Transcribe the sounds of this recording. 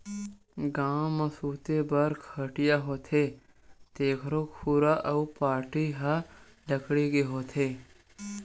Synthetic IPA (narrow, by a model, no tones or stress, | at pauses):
ɡaːmɐsuːt̪ebɐɾkʰəʈijaɦot̪ʰe | t̪eːkʰɾokʰuːɾaʔɐupaːɾʈiɦa | lɐkɽiɡeɦoːt̪ʰeː